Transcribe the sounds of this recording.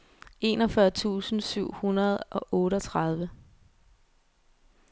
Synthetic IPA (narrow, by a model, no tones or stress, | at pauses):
ʔe̝̰nɒ̽fɶɐt͡sʰṵːsn̩syʊ̰hunɐð̞ˠʔɒ̽ʔɔ̽ːɾəɒt͡sʰʁað̞ˠʋə